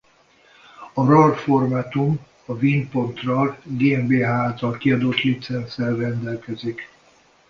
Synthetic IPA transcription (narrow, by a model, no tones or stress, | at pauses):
ɒrɒrformat̪um | ɒvinpo̞nt̪rɒlɡeːɛmbeːɦaːlt̪ɒlkiɒd̪ot̪lit̪sɛnsɛrːɛnd̪ɛlkɛzik